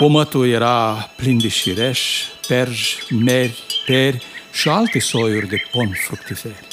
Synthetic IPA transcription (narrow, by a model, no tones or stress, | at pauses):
komət̪ujeɾaplind̪eʃiɾeʃpɛɾʒmeɾʲpeɾʲʃialt̪esojuɾd̪eponfɾukt̪ifeɾʲ